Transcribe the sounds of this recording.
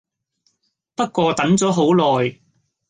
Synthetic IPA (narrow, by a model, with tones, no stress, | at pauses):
pɐ˥t̚kʷɔː˧t̪ɐ˨˥nt͡sɔː˨˥ɦo˨˥wlɔː˨j